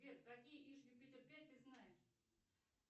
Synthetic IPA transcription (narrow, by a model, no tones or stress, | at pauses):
et̪kɐkʲijəʔiʂjʲʊbʲit̪ʲɪrpʲet̪ɨznajɪʂ